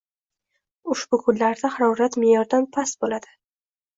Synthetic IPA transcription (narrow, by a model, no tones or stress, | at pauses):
ʊʃbʊkʰʊnlaɾd̪ahaɾɒwɾat̪mejɒɾd̪anpʰasbolad̪̥ɪ